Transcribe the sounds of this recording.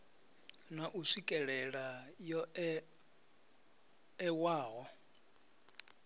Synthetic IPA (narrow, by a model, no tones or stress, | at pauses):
naʔuʂikʼɛɺɛɺajɔ | ɛwaːɣɔ